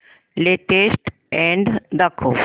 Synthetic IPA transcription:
leʈesʈ | ɛ̃ɳɖd̪ɐkʰːo

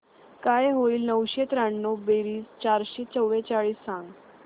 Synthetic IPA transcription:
kajɦoiːlnəwɕet̪ɾaɳːobeɾiːst͡ɕaɾɕet͡səwʋet͡ɕaɭiːsːãŋɡ

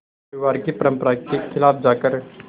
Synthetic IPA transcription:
ɾiʋaːɾkepɐɾə̃mpəɾakekʰɪlaːpʰd͡ʒaːkəɾ

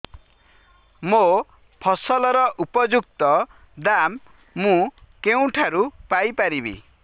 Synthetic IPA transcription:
mo | pʰɔsɔlɔɾɔʔupɔd͡ʒuk̚t̪ɔ | d̪amː | ũkeũʈʰaɾupajpaɾibḭ

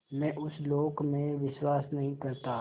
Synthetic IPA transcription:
mɛ̃ːʔʊsloːɡmẽʋɪʃwaːsnɐɦĩkɐɾt̪aː

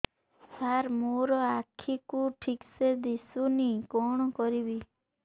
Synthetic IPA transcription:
saɾmoɾɔakʰikuʈʰiksed̪isunikɔɽ̃ɔkɔɾibi

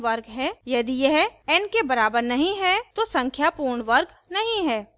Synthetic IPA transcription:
ʋəɾɡɦɛjɐd̪ijɛɦɛnkebɐɾaːbəɾnɐɦĩɦɛt̪osɐ̃ŋkʰjapuːɾɳʋəɾɡ | nɐɦĩɦɛː

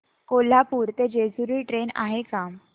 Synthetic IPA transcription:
kol̤apuːɾt̪ed͡ʑed͡zuɾiːʈɾena̰ɦekam

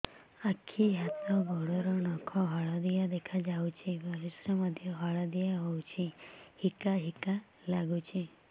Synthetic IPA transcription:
akʰiɦat̪ɔbʱɔɽɔɾɔnɔkʰɔɦɔɭɔd̪ijad̪ekʰad͡ʒawt͡ʃʰibʱɔɾisɾɔmɔd̪ʱjɔɦɔɭad̪ijaɦowt͡ʃʰihikaɦika | laɡut͡ʃʰi

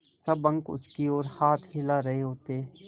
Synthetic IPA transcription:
sɐbə̃ŋkʊ̰skioːɾhaːt̪ʰhɪlaɾɐɦeɦoːt̪eɛ

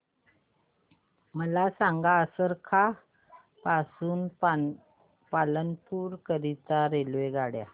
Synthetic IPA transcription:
məlasaŋɡaəsəɾkʰa | pasuːn | palənpuːɾkəɾit̪aɾelʋeɡaɽja

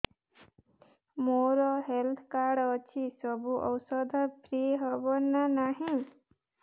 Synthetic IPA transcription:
moɾɔɦelt̪ʰkaɾɽɔt͡ʃʰisɔbuʔɔwsɔd̪ʱɔpʰɾieɦɔbɔnanaɦĩ

